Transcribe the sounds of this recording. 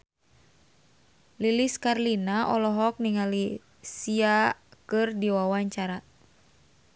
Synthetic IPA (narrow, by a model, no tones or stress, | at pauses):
liliskarlinaʔɔlɔɦɔk̚niŋali | siakɨrdiwawaɲt͡ʃaɾa